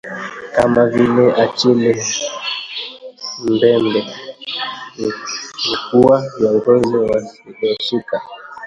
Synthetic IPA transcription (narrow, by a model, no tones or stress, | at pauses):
kamavilɛʔat͡ʃilɛ | mbɛmbɛ | ŋukuajaŋɡɔinɛwaiɗɔsika